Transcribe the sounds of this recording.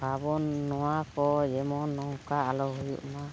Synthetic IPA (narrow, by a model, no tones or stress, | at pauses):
babɔnːɔwakɔjɛmɔnːɔɦukaalɔɦɔjṵʔma